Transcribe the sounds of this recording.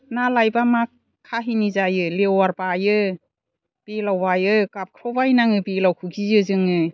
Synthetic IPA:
nalajbamakʰː | aɦinizajɯlewaɾbajɯ | b̥elawbajɯkap̚kʰɾɔwbajnaŋɯbelawkʰuɡizɯzɯŋɯ

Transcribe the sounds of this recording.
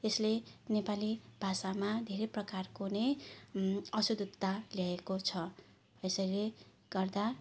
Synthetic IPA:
eslenepalib̥ʱasamad̪ʱeɾeprʌkarkonej | ʌsud̪ut̪ːaljaekot͡sʰʌ | esʌile | ɡ̥ʌrd̪a

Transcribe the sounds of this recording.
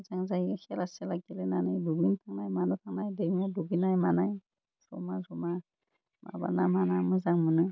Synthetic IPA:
zaŋzajxɛlasɛlaɡilɛnanajduɡintʰaŋnajmanɔtʰaŋnajdemaduɡinajmanaj | z̥ɔmazɔma | ma̰ba̰namanamɯzaŋmɯnɯ

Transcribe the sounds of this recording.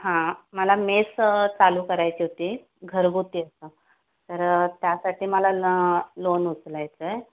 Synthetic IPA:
ɦãməlamest͡saluːkəɾajt͡ɕiːɦot̪iː | ɡʱəɾɡut̪iːəsə | t̪əɾt̪jasaʈʰiːməlalonut͡slajt͡sə

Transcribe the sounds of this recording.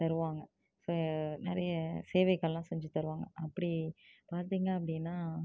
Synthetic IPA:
t̪ɐɾɯʋaːŋɡɐ | soːnɐɾɐjɐseːʋɐɪkːɐɭlãːsɛɲd͡ʒit̪ɐɾɯʋaːŋɡɐɐpːɐɽipaːɾt̪̬iːŋɡɐɐpːɐɽɪnːaː

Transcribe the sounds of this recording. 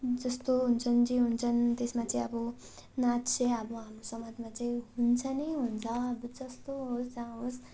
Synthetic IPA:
d͡zʌst̪oɦunt͡sʰʌnd͡ziɦunt͡sʰʌnt̪esmat͡saĩʌbɔ | natt͡sʰeabʌɦamɾosʌmad̪mãt͡saĩɦunt͡sʰʌneɦunt͡sʰʌːbud͡zʌst̪oɦosd͡zãɦos

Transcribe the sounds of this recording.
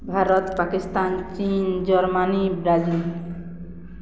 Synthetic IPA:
bʱaɾɔt̪pakist̪ant͡ʃind͡ʒɔɾmanibɾazil

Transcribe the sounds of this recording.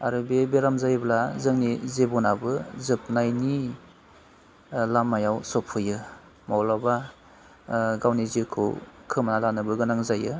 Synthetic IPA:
aɾɯbebeɾamzajblazɯŋnizebɔnabɯzɯp̚najni | lamːajawsɔpʰɯjɯ | mawlaba | ɡawnizikʰɯ̰wkʰɯmanalanɯbɯɡɯnaŋzajɯ

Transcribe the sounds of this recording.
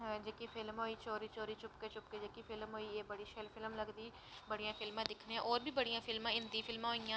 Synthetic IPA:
d͡ʒeːkiːpʰɪlmɦoːiːt͡ʃoːɾiːt͡ʃoːɾiːt͡ʃʊpkeːt͡ʃʊpkeːd͡ʒeːkiːpʰɪlmɦoːiːeːbəɽiːʃɛlpʰɪlmləɡd̪iː | bəɽijãːpʰɪlmãːd̪ɪkʰneːãːʔoːɾbiːbəɽijãːpʰɪlmãːɪnd̪iːpʰɪlmãːɦoːijãː

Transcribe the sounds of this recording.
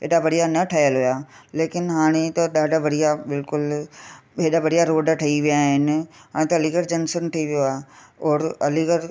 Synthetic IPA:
ɦeːɗabɐɽijanɐʈʰaːjəlɦʊjaːleːkɪnɦaːɽ̃et̪ɐɗaːɖaʋɐɽijabɪlkʊl | ɦeːɗabɐɽijaɾoːɖʈʰɐiʋijaɦɪnɪ̆ɦaːɽẽt̪ɐliɡəɾd͡ʑɐnsənʈʰɐiʋijoaːɦeɔːɾɐliɡəɾ

